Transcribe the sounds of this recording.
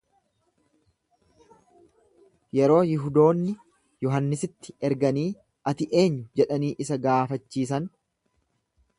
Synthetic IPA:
jɛɾo̞ːjɪɦʊd̪o̞ːnːɪ | jɔɦɐnːɪsɪt̪ːɪɛɾɡɐniː | ʔɐt̪ɪʔe̞ːɲːʊd͡ʒɛᶑɐniːʔɪsɐɡaːfɐt͡ʃːiːs̬ɐn

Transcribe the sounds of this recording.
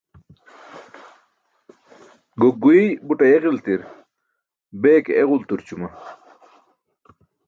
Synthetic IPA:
ɡoɡuibuʈɐjeʁilt̪iɾ | beːkeʁult̪uɾt͡ɕumɐ

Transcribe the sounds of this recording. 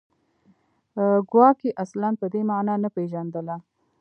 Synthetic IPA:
əɡwɑkeʔaslanpəd̪emɑnɑnapeʒand̪əla

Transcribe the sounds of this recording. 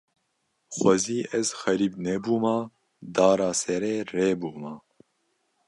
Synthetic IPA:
xʷɛziːʔɛzxɛɾiːbnɛbuːmaː | d̪aːɾaːsɛɾɛːɾeːbuːmaː

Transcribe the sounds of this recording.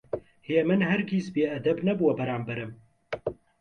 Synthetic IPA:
heːmɨnɦɛɾɡiːsbeːɛd̪ɛbnɛbuwɐbɛɾaːmbɛɾɨm

